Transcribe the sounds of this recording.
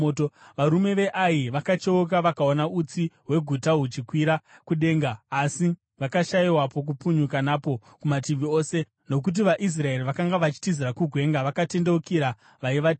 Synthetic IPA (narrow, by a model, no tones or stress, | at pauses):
otoʋaɾume̞ʋe̞ʔajiʋakat͡ʃe̞ok̬aʋakaonaut͡siɦwe̞ɡʱutaɦut͡ʃikwiɾakuɗe̞ːŋɡaːsi | ʋakaʃaiwapo̞k̬upuɲukanapo̞ | kumatiʋio̞ːse̞ | no̞k̬ut̬iʋaʔis̬rae̞riʋakaŋɡaʋat͡ʃi̥tiziɾakuɡʱwe̞ːŋɡaʋakate̞nde̞ukiɾa | ʋaiʋa